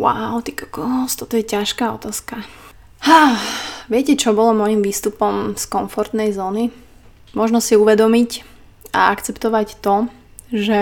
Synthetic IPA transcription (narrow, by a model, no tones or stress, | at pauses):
wa̰ʊt̪ikḁkɔst̪ɔt̪ɔjɛcaʃkaːɔ̰t̪aːska | haːʋɪɛcɛt͡ʃɔbɔlɔmɔjimʋiːst̪upɔmskɔɱfɔɾt̪nɛjzɔːni | mʊɔʒnɔsiuʋɛd̪ɔmic | a̰a̰kt͡sɛpt̪ɔʋact̪ɔ | ʒɛ